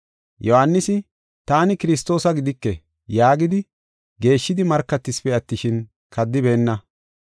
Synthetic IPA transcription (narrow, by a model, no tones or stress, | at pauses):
jɔhanːɪsɪ | t̪aːnɪkɪɾɪs̬t̪o̞ːsɐɡɪd̪ɪkːɛ | jaːɡɪd̪ɪ | ɡe̞ːʃːɪd̪ɪmɐɾkːɐt̪ːɪspɛɐt̪ːɪʃɪn | kʰɐd̪ːɪbe̞ːnːɐ